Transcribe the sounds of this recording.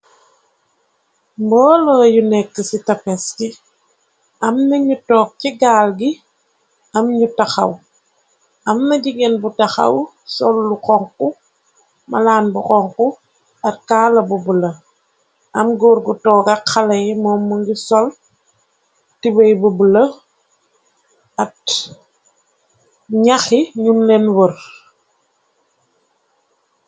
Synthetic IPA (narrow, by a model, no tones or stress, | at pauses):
mbɔːlojunɛkːisitɐpeski | ɐmnɐɲutɔːk̚ciɡaːlɡi | ɐmɲutaxɐ̰w | ɐmnɐɟiɡenbutaxɐ̰w | sɔlːuqɔŋku | mɐ̰laːnbukɔŋku | ɐt̚kaːlɐbubulɐ | ʔɐmɡoɾɡutɔːɡɐkɐlɐjmɔːmːuŋɡisɔl | tibɐjbubəlɐ | ɐt | ɲaxiɲunlɛnwər